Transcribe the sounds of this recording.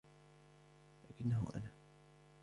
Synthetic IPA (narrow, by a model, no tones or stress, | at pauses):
laːkɪnːaɦʊ̰ʔa̰naː